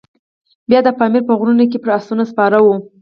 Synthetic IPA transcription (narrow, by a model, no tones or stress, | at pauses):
bjɑd̪əpɑmiɾpəɣɾunak̬epəɾasunaspɑɾawu